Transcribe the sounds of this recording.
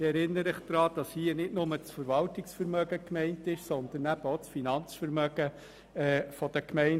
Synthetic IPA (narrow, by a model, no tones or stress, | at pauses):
ɪɛɾɪnːəɾəχd̥̪ɾɑːd̥ɑshiːənɪdnʊmət͡sfəɾvɑltɪksfəɾmœɡəkmɛɪntɪʃsɔnd̪ənːæb̥əot͡sfinɑnt͡sfəɾmœɡ̥ə | ɛːfɔd̥̪əkmɛɪn